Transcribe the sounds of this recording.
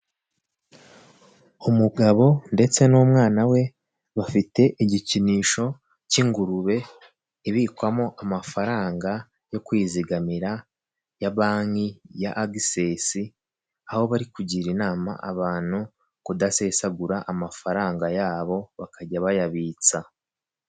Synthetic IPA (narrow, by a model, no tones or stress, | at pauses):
umuɡaβo̞nde̞t͡se̞noːmŋaːnawe̞ | βafite̞ʔiɟiciniːʃo̞ | ciŋɡuɾuβe̞ | iβikwamo̞ʔamafaɾaːŋɡa | jo̞kwiːziɡamiɾa | jaβaːŋijaʔːɡisesi | aho̞βaɾikuɟiːɾinaːma̰ʔaβaːn̥hu | kudase̞saɡuɾaʔamafaɾaːŋɡajaːβo̞βakʰaɟaβajaβiːt͡sa